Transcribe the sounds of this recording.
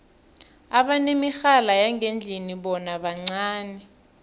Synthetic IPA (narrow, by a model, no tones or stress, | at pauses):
aɓanemixalajaŋend͡ɮʱiniɓɔnaɓaŋ͡ǀaːnɛ